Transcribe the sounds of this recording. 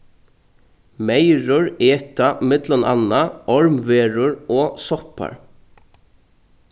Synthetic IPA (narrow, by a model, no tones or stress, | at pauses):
meɪɾʊɹeːt̪amɪt̪lɔnʔɑ̰naʔɔɹmʋeːɹʊɹoːsɔpa̰ɹ